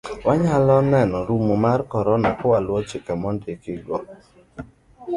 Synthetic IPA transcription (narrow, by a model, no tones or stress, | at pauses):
waɲalɔnɛnɔɾumomarkɔɾɔnakʊwalwɔt͡ʃɪkamɔndɪkɪɡɔ